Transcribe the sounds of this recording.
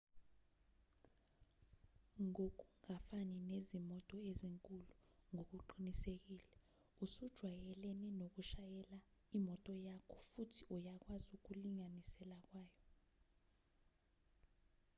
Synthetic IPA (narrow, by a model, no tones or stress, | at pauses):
ŋok̬ʼuŋafaninezimɔtʼɔeziŋkʼuluŋok̬uǃinisek̬iːlɛ | usud̥ʒ̥ʱwajɛleninok̬uʃajɛlaimɔtʼɔjakʰɔfutʰi̥ujak̬wazuk̬uliŋanisɛlak̬waːjɔ